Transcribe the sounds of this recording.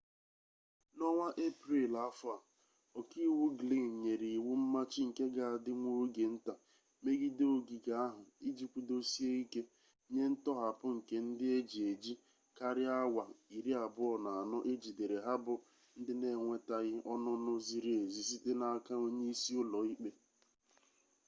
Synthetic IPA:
nɔ˦ŋʷa˦ʔe˦pɾi˦˨la˦fʊ˦a˨ | ɔ˨ki˦wu˦ɡli˦ŋ˨ɲe˨ɾi˨i˨wu˦m̩˦ma˦t͡ʃɪ˦ŋ̩˨ke˦ɡa˨a˨dɪ˦ŋʷo˦ɡe˨n̩˦ta˨ | me˦ɡi˦do˦ɡi˨ɡa˨˦a˦ɦʊ˨i˦d͡ʒi˦kʷu˦do˦si˦e˦i˦ke˦ | ɲe˦n̩˦tɔ˦ɦa˨pʊ˦ŋ̩˨ke˦n̩˦dɪ˦e˦d͡ʒi˨e˨d͡ʒi˦ | ka˦ɾɪ˦a˦wʷa˨i˨ɾi˦a˨bʊ˦ɔ˨na˨a˨nʊ˦ʔe˦d͡ʒi˨de˨ɾe˨ɦa˦bʊ˦ | n̩˦dɪ˦ne˨ŋʷe˦ta˨ɣɪ˦ɔ˦nʊ˦nʊ˦zi˦ɾi˦e˨zi˨si˦te˦na˦a˦ka˦o˦ɲe˦i˦si˦ʊ˦lɔ˨i˦k͡pe˦

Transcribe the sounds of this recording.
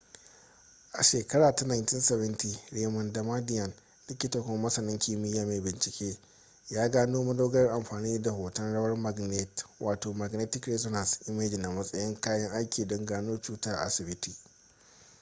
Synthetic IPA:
ʔa̰˨ʃeː˨kɐ˦ɽaː˨ta˦na˨ntɪ˦nsɛ˨βɐ˦nti˨ɽeː˦mɐ˨ndɐ˨ma˦dɪ˦jɐ˨n | lɪ˦kʲɪ˦tɐ˨kʷo˦mːɐ˦sɐ˨nɪ˦ŋkʲʰi˦˨mɪ˦jaː˨me˨bɪ˨nt͡ʃɪ˨kʲeː˦ | jaː˦ɡaː˦noː˦mɐ˦doː˦ɡɐ˦ʔa˨mɸaː˨niː˦da˨hoː˨tɐ˦nɽɐ˦wɐ˦rma˨ɡne˦twʔaː˨toː˨ma˨ɡne˦tɪ˦kɾe˦so˦na˨sʔɪ˦meː˦d͡ʒɪ˨na˨mɐ˦sʼɐ˦jɪ˦ŋkaː˦jɐ˦ŋʔa˦jkʲʰiː˨dɔ˦ŋɡaː˦noː˦t͡ʃuː˦ta˦ʔa˨ʔa̰˨sɪ˨bɪ˦ti˦˨

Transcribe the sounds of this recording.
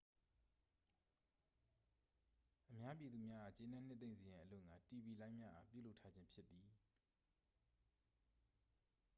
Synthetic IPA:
ʔəmja˦p̬ji˨d̪ðu˨mja˦ʔa˨t͡ɕẽ˦nã˦˨n̥ɪ˦t̪θẽ˦ɪ̃nzə˨jã˨ʔəlʊ̰̃˦˨ŋɡa˨ti˨bi˨lã˦ɪ̃mja˦ʔa̰˨pjṵ˦˨lo˦ʊtʰːa˦d͡ʑɪ̃˦mpʰjɪ˦t̪ːi˨

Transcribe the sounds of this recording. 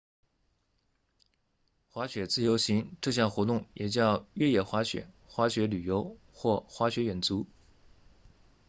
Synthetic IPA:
xwa˧˥ɕɥɛ˨˩t͡sɹ̩˥˩˨jo˧˥ʊɕi˧˥ŋʈ͡ʂɤ˥˧ɕ̬jɑ˥˩ŋxwɔ˧˥t̪ʊ˥˩ŋjɛ˨˩t͡ɕjɑ˥˧ʊɥɛ˥˧jɛ˥˩xwa˧˥ɕɥɛ̰˨˩˦ | xwa˧˥ɕɥɛ˧˥ly˨˩jo˧˥ʊ | xwɔ˥˩xwa˧˥ɕɥɛ˧˥ɥɛ˨˩nt͡su˧˥

